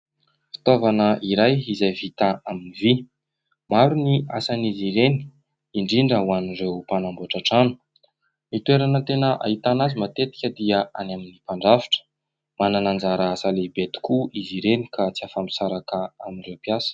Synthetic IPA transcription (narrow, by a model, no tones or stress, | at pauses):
fi̥t̪ovanəʔiɾajizajvit̪aaminivi | maɾuniʔasaniziɾeni̥ | iɳɖ͡ʐiɳɖ͡ʐəwanirewpanamboʈ͡ʂaʈ͡ʂanu̥ | mit̪ueɾanət̪enəʔa̰ɦit̪anazumat̪et̪i̥kʲəd̪iəanaminipaɳɖ͡ʐavi̥ʈ͡ʂə̥ | mananand͡zaɾaasalebet̪i̥kuiziɾeni̥kʰat͡siafampi̥saɾakaaminrewpjasə̥